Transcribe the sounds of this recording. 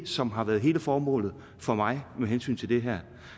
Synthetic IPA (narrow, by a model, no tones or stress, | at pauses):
sɒ̽mɦɑ̈ʋæːɐðˠɦe̝̰ːləfɒːmɔ̰̽ːlð̩ˠ | fɒ̽mɑ̈ɪmeɦensy̰ːnt͡sʰe̝ld̥e̝ɦæɐ̰